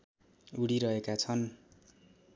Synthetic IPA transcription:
uɽiɾʌɦekat͡sʰʌn

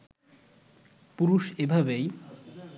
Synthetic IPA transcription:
puɾuʃebʱabej

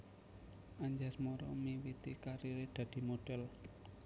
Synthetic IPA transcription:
aɲd͡ʒasmoɾɔmiwit̪ikaɾiɾed̪̥ä̤d̪̥i̤moɖ̥ɛl

